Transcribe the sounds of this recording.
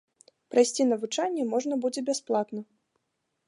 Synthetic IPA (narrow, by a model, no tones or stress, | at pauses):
pɾajsʲt͡sʲinɐvɨt͡ʂanʲːɛmɔʐnɐbud͡zʲɛbʲasplˠat̪nɐ